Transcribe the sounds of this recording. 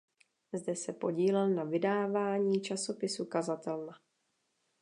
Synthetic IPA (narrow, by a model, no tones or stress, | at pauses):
zdɛsɛpo̞ɟiːlɛlnavɪdaːvaːɲiːt͡ʃaso̞pɪsukazat̪ɛlna